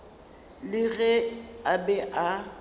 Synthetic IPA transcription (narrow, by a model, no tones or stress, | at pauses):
lɪɣɛabɛʔa